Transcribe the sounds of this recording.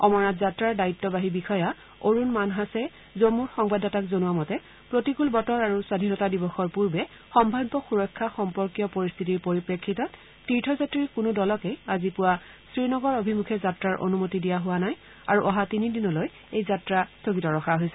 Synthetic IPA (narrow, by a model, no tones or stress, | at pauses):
ɔmɔɹatzatɹaɹdaitːɔbaɦibixɔja | oɹunmanɦasɛ | zomuɹxɔŋbadɔtakzonuwamɔtɛ | pɹotikulbɔtɔɹaɹusadʱinɔtadibɔxɔɹpuɹbɛ | xɔmbʱadbɔxuɹɔkʰːaxɔmpɔɹkijɔpoɹist̪ʰitiɹpoɹipɹekʰːitɔt | tːiɹtʰɔzatɹikunudɔlɔkɛazipʊwa | sɹinɔɡɔɹobʱimukʰɛzatɹaɹʔo̰numotidijaɦʊwanaj | a̰ɹuʔɔɦatinidinɔloj | ejzatɹastokitɔɹɔxʰaɦojsɛ